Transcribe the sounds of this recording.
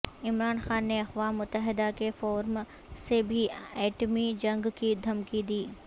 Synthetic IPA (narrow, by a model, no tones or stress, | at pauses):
ɪmɾaːnxaːnːeɐxʋaːmːʊt̪ːəɦɪd̪akefɔːɾm | sebʱiɛːʈmid͡ʒɐ̃ŋɡkid̪ʱɐmkid̪iː